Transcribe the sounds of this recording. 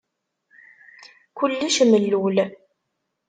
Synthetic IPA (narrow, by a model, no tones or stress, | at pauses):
kʊlːiʃməlːul